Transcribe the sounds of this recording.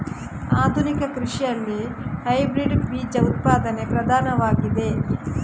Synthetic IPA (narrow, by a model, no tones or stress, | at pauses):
aːd̪ʱunikɐkɾiʂijɐlːihɐjbɾiɖbiːd͡ʒɐut̪̚paːd̪ɐnepɾɐd̪ʱaːnɐʋaːɡid̪e̞